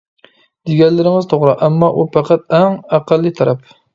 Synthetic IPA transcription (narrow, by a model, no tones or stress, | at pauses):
d̪̥eɡʲɛllːɪɾɪŋɪzt̪ʰoʁɾɨʔɛmːɑʔupʰæqʰæt̪̚æŋæqælːit̪ʰɑɾɛp